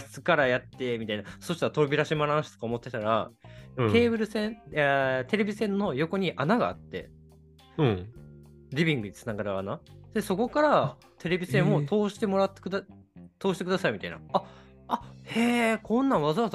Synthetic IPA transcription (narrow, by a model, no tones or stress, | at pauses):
sɨ̥kaɾajat̪ːe̞mʲit̪ainasoɕi̥t̪aɾat̪o̞ɾobʲiɾaɕimaɾãñɕi̥t̪okaomo̞t̪ːe̞t̪aɾa | k̪e̞ːβɯ̟ɾɯ̟sẽ̞ | t̪e̞ɾe̞bʲisẽnːo̞jo̞ko̞ɲ̟iʔanaɡa̰ːt̪ːe̞̰ | ɾʲibʲĩŋɡɯ̟ɲ̟it͡sɨ̥naɡaɾɯaːnad̪eso̞ko̞kaɾa | t̪ʰe̞ɾe̞bʲisẽ̞ɰ̃o̞t̪ʰo̞ːɕi̥t̪e̞mo̞ɾat̪ːek̪at̪oːɕit̪kɯ̟d̪asaimʲit̪aina̰a | aheːkʰõ̞nːãβazaβaz